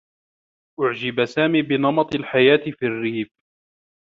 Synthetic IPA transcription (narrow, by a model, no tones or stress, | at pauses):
ʔʊʕd͡ʒɪbasaːmiːbɪnɑmɑt̪ˤalħajaːt̪ɪfiːrːiːf